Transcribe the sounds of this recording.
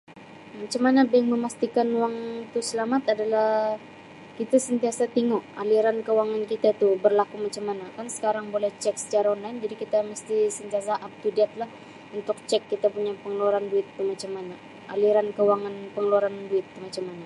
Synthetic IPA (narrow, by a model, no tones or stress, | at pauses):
mat͡ʃamːanabɛŋməmast̪ikanuwaŋt̪usəlamat̪adalah | kit̪asənt̪iasat̪iŋoaliɾankəuwaŋankit̪ait̪ubərlakumat͡ʃamːanakansə̥kaɾaŋbolɛht͡ʃɛk̚sə̥t͡ʃaɾaonlajnd͡ʒadikit̪aməst̪isənt̪ias̬aʔap̚t̪udɛt̪̚lah | unt̪ʊk̚t͡ʃɛkːit̪apuɲapəŋəluaɾanduɪt̪ːumat͡ʃamːana | aliɾankəwaŋanpəŋəluaɾanduɪt̪ːumat͡ʃamːana